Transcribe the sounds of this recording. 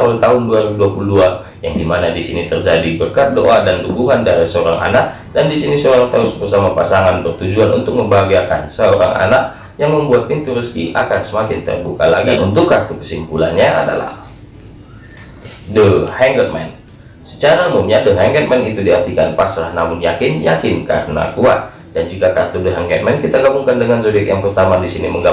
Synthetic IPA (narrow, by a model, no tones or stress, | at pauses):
aɦʊnt̪aɦʊnduaɾibuduapuludua | jaŋdimanadisinit̪ərd͡ʒadibərkat̪̚do̰ʔadanduɡuŋandaɾisəoɾaŋʔa̰nak̚ | dandisinisəoɾaŋt̪aʊsbərsamapasaŋanpərt̪ud͡ʒuanṵnt̪ʊk̚məmbaɡiaka̰nsəoɾa̰ŋa̰nak̚ | jaŋməmbuat̪̚pint̪uɾəskiʔa̰kansəmakɪnt̪ə̰rbuka̰la̰ɡanunt̪ukːat̪ukə̥simpulanɲaa̰da̰la̰h | dəhɛŋɡər̚mɛ̰n | sə̥t͡ʃaɾamumɲadəɦɛŋɡət̪̚mɛnit̪udiart̪ikanpasɾahnamʊnjakɪnjakɪnka̰rəna̰kuat̪̚ | dand͡ʒikakat̪udəɦɛŋɡɛt̪̚mɛnkit̪aɡabuŋkandəŋans̬odɛkja̰ŋpərt̪amadisiniməŋɡa